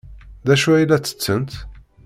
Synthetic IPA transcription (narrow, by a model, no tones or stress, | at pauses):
ðæʃuæilːæt͡sːə̥t͡sːənt̪